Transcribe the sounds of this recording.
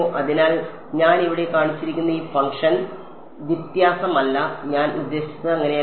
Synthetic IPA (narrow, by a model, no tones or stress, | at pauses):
oʔɐðinaːl | ɲaːniʋiɽe̞kaːɳit͡ɕːiɾikʲːunːɐiːfɐŋkʂɐn | ʋit̪jaːsɐmɐlːɐɲaːnud̪ːe̞ːɕi̥t͡ɕːɨɐŋːɐne̞